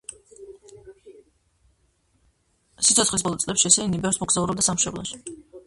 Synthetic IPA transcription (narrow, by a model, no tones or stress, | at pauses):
sit̪sʰɔt̪sχlis̬bɔlˠɔt̪sʼlɛpʃiɛsɛinibɛfsmɔɡzauɾɔb̚d̪asamʃɛblˠɔ̰ʃi̥